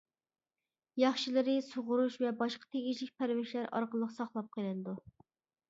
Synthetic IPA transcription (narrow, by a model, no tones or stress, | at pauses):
jɑχʃilˠɨɾɨsoʁʊɾuʃvɛbɑʃqʰɑ̥t̪ʰeɡʲiʃlɪk̚ʲpʰæɾvɪʃlæɾɑ̰ɾqəlˠːəqsɑχlˠɑp̚qʰəlˠɨnɨd̪u